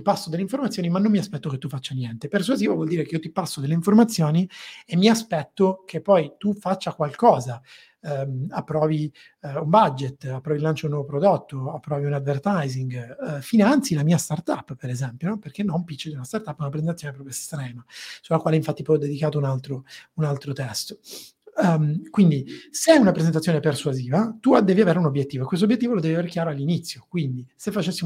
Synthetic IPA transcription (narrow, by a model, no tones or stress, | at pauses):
t̪ipasːod̪elːeiɱformat̪sːjoːnimanːomːiaspɛt̪ːoket̪ːufːat͡ʃːanjɛnt̪epersuaziːvavwɔld̪iːɾekeijot̪ipasːod̪elːeiɱformat̪sːjoːniemːiaspɛt̪ːokʰepːɔjt̪ufat͡ʃːakwalkɔːza | mapːɾɔːvi | umbad͡ʒːet̪ːapːɾɔːvilant͡ʃounːɔːvopɾod̪ot̪ːoapːɾɔːviunad̪vert̪ajziŋɡfinant̪silamiːast̪art̪apːpeɾezɛmpjonɔperk̟enːompit͡ʃːod̪iunast̪art̪apːɛunap̬ɾezent̪at̪ːjonepɾɔːpɾjoest̪ɾɛːnasulakwaːleiɱfat̪ːipɔjɔd̪ːed̪ikaːt̪ounalt̪ɾounalt̪ɾot̪ɛst̪o̥ | kwind̪iseɛunapɾezent̪at̪sjoːneperswaziːvat̪uad̪ɛːviaveːɾeunobjet̪ːiːvoekːwes̬t̪objet̪ːivolod̪ɛːviaveːɾekjaːɾoalːinit̪sːjokwind̪isefːat͡ʃesːi